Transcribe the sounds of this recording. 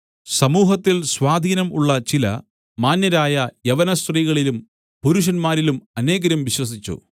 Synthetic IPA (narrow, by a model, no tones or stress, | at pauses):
sɐmuːɦɐt̪ːilswaːd̪ʱiːnɐmuɭːɐt͡ɕilɐ̰ | maːnjɐɾaːjɐjeʋɐnɐst̪riːɣɐɭilum | puɾuʂ̬ɐnmaːɾilumɐne̞ːɣɐɾumʋiɕwɐsit͡ɕːṵ